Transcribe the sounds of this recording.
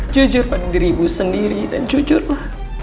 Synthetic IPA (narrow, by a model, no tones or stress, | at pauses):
d͡ʒud͡ʒʊrpadadiɾibusəndiɾida̰nd͡ʒud͡ʒʊrlah